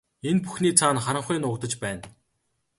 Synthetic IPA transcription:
enpuxniːt͡sʰaːnχaɾə̆ɴχʊːnʊːkt̪ə̆t͡ɕpæːn

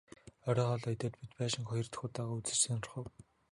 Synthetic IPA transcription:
ɔɾʲɔːχɔːɮɔjt̪eːt̪̚pit̪pæːʃɪ̆ŋχɔjɞ̆r̥t̪̆xuːt̪aːʁaːut͡sɘ̆rseːnɔrχʊ̆w

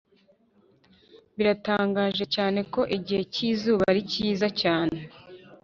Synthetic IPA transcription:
βiɾataːŋɡaːʒe̞caːne̞ko̞ʔiɟihe̞ciːzuːβaɾiciiːzacaːne̞

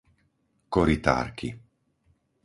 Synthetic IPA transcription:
koɾit̪a̰ɾkʰi

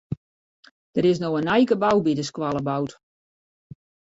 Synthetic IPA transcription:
d̥əɾɪs̬noənɛjkəbawbidəskwalˠəbawt

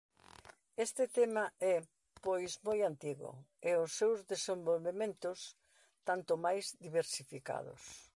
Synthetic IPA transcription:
est̪ɪt̪emaɛ | pojzmojant̪iɣʊ̰eʊsːewzðesẽmbolβemẽnt̪ʊs | t̪ant̪ʊmajzd̪iβeɾsifika̰ðʊ̰s

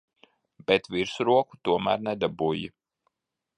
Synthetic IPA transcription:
bɛt̪viɾsuɾuɔku̥t̪uɔmæ̰ɾnɛd̪abuji

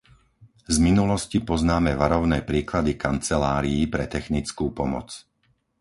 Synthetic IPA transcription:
zminulɔscipɔznaːmɛʋaɾɔʊnɛːpɾiːklad̪ikant͡sɛlaːɾiːpɾɛt̪ɛxnit͡skuːpɔmɔ̰t͡s

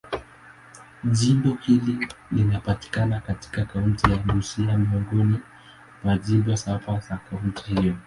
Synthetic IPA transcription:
ʄimbɔhililinapati̥kanakati̥kakaun̩tijaɗusiamiɔŋɡɔni | maʄibɔsafazakauntʰihijɔ

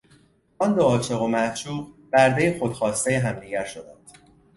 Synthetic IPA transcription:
ɒnd̪oɒːt͡ʃʰe̞ɣo̞mæt͡ʃʰuːʁb̥æɾd̪e̞jexo̞d̪̥xɒːst̪e̞jeɦæmd̪iɟæɾʃo̞d̪ænd̪̥

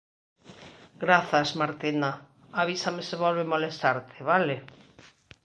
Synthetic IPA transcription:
ɡɾaθazmaɾt̪ina | aβisameseβ̞olβemolest̪aɾt̪ʰeβale

